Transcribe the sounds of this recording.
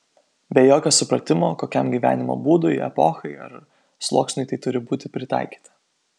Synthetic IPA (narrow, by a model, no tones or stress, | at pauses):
bʲɛjoːkʲoːsʊpɾɐt̪ʲɪmoːkoːkʲɛmɡʲiːʋʲæ̰ːnʲɪmo̰ːbuːd̪ʊjɛ̰pɔːxɐɪɐ̰ɾ | slˠoːksʲnʲʊɪt̪ɐɪt̪ʊɾʲɪbuːt̪ʲɪpʲɾʲɪt̪ɑ̰ɪkʲi̥ːt̪ɐ̥